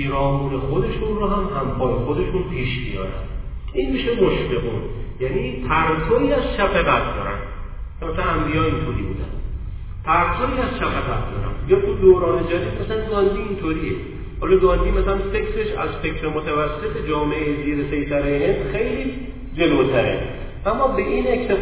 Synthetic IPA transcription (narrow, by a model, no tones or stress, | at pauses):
piːɾɒːmuːnexod̪e̞ʃunrɔːɦæmhæmbɒːɾexod̪e̞ʃunpʰiːʃmḭjɒ̰ːɾæ̰nd̪ | inmiːʃemoʃfeɣṵːnjæniːt̪ʰæɾsʰɒːiːæzʃæfeʁæt̪̚ʰd̪ɒ̰ːɾæ̰nd̪ | kʰemæsænæmb̪ijɒːint̪ʰoɾḭːbṵːd̪æ̰n | t̪ʰæɾt̪ʰɔiːæzʃæfeɣæt̪̚ʰd̪ɒ̰ːɾæ̰njɒt̪ʰud̪oːɾɒːned͡ʒæd̪it̪mæsælænɡɒːnd̪iːnt̪ʰoɾiḛ | hɒːlɒɡɒːnd̪iːmæsælænfe̞kʰɾeʃæ̰zfe̞cʰɾemot̪ʰævæsːe̞t̪ʰed͡ʒɒːmeeziːɾesejsæɾejɦe̞nd̪xejli | d͡ʒe̞lot̪ʰæɾḛ | ʔæmːɒːbeʔine̞ct̪ʰe